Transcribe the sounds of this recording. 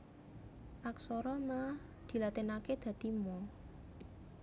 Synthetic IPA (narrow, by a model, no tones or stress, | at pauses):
ʔaksɔɾɔna | d̪̥i̤lat̪enaked̪̥ä̤d̪̥imɔ